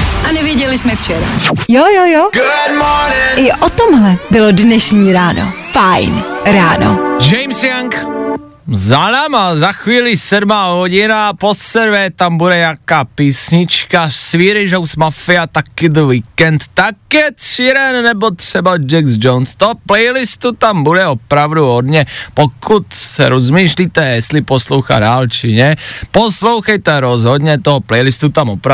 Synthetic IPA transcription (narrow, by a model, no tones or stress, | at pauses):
ʔanɛvjɛɟɛlɪsmɛft͡ʃɛɾa̰jojojoɡʊdmɔnɪʔɪʔot̪omɦlɛbɪlodnɛʃɲiːɾaːno̰fajnɾaːno̰d͡ʒɛjmsjaŋk | zalamazaxʋiːlisɛdmaːɦɔɟɪnaposɛɾvɛt̪ambuɾɛjakaːpiːsɲɪt͡ʃkasʋiːɾiʒɔwsmafiat̪akːid̪ʋikɛnt̪ːakːɛt̪siɾɛnnɛbɔt̪ʂɛbad͡ʒɛɡzd͡ʒɔnst̪ɔɦɔplɛjlist̪ut̪ambudɛɔpɾaʊd̪uɔd̪ɲɛpɔkut̪sa̰ɾɔzmiːʃlit̪ɛɛslipɔsluʊxa̰daːlt͡ʃiɲɛpɔsloʊxɛjt̪ɛɾɔzɦɔd̪ɲɛt̪ɔɦɔplɛjlist̪ut̪amɔpɾa